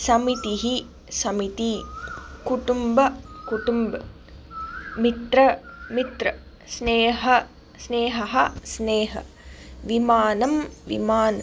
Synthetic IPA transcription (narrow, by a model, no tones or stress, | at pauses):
sɐmit̪iɦi | sɐmit̪i | kuʈumbɐkuʈumbɐ | mit̪ɾɐmit̪ɾɐ | sneːɦɐ | sneːɦɐɦɐsneːɦɐ̰ | ʋimaːnɐmʋḭmaːnɐ